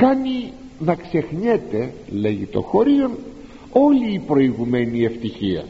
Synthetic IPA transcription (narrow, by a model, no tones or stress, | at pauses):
kɐni | nɐkse̞xɲet̪e̞le̞ʝit̪o̞̰xo̞ɾion | o̞liːpɾo̞iɣume̞nie̞ft̪içiɐ̰